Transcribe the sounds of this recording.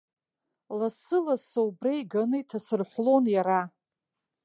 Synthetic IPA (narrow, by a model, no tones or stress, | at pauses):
lasɨlasaubrajɡanɨitʰasɨrħʷlo̞njaɾa